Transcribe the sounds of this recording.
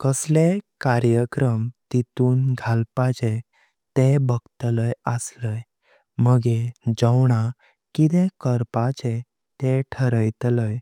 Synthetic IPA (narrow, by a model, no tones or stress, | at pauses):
kəslekaɾjəkɾəmt̪it̪uːnɡʱalpat͡ɕe | t̪ebəɡt̪ləjəsləj | məɡed͡ʑəwɳ̃a | kit̪ẽkəɾpat͡ɕe | t̪eʈʰəɾəjt̪ləj